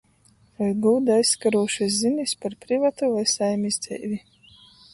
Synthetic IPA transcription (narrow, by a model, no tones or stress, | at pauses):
vajɡuːd̪ajsːkaɾuɔʃas̬zinʲispaɾpɾivat̪uvajsajmʲizd̪zɛ̰jvʲi